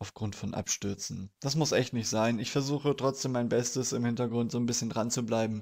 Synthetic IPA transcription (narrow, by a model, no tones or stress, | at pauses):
ʔaʊfɡ̥ʁʊntfɔnʔa̰pʃtʏɐt͡sn̩d̥asmʊsʔɛçtnɪçtz̥aɪnɪçfɛɐzuːxətʁ̥ɔt͡sd̥eːmːaɪnbɛstəsɪmhɪntɐɡʁʊntz̥oːnbɪsçəndʁant͡sublaɪbm̩